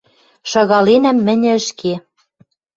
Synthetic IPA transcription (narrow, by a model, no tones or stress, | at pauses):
ʃɤ̆ɣɑlenæmːɘ̆nʲɘ̆ɘ̆ʃke